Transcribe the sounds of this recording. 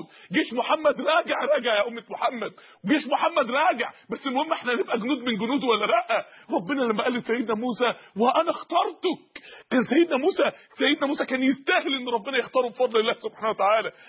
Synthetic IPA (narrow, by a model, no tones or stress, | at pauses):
ɡeːʃmoħamːæd̪ɾˤɑːɡeʕɾˤɑːɡeʕjæʔomːet̪moħamːæd̪̚ | ɡeːʃmoħamːæd̪ɾˤɑːɡeʕbæsːɪmohemːæʔeħnænebʔæɡonuːd̪menɡʊnuːd̪wælːæɾæʔʔæɾˤɑbːenælæmːæʔæːlːesæjːed̪næmuːsæweʔænæxt̪ɑɾˤt̪okkæːnsæjːed̪næmuːsæsæjːed̪næmuːsækæːnjest̪æhelʔenːɾˤɑbːenæjext̪ɑːɾˤubefɑd̪ˤlelːæːhsob̥ħaːnæwæt̪aʕaːlæ